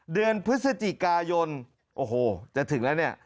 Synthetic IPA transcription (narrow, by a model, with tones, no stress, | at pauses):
dɯ˧ənpʰɾɯ˦˥sa˧t͡ɕi˨˩kaː˧jo˧n | ʔoː˧˩hoː˧˩t͡ɕa˨˩t̪ʰɯ˩˦ŋlɛː˦˥wni˦˥˩ɐ